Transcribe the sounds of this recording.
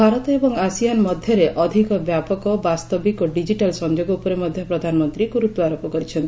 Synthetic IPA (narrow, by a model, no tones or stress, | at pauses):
bʱaɾɔt̪ɔebɔŋasijanmɔd̪ʱjɔɾeʔɔd̪ʱikɔbjapɔkɔbast̪ɔbikɔɖid͡ʒiʈalsɔnd͡ʒoɡɔupɔɾemɔd̪ʱjɔpɾɔd̪ʱanɔmɔnt̪ɾikuɾut̪wɔaɾopɔkɔɾit͡ʃʰɔnt̪ii